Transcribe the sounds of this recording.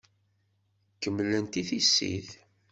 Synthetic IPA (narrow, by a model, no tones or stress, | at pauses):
kəmːlənt̪iθisːḭθ